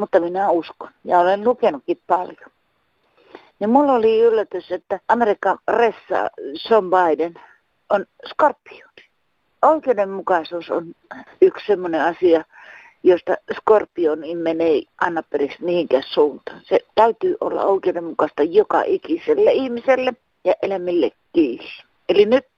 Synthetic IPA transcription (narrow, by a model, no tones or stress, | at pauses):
mut̪ːɑminæusko̥njɑolenlukenukːippɑljo | nimmulːoliylːæt̪yset̪ːæʔɑmerikːɑnresːɑ̰sombɑiden | on | skorpːi̥oːni̥ | oikeːdemmukɑsuːso̰nykssemːoneɑsiɑ | jost̪ɑskorpːionimmeneiʔɑˑnːɑpːeriksmihiŋkæːssuːnt̪ɑːnset̪æyt̪yːʔo̰lːɑ̰oˑikeːdemmukɑst̪ɑjokɑ̰ʔikiselːeihmiselːe | jɑʔelæmilːḛkːiːs | elinyt̪̚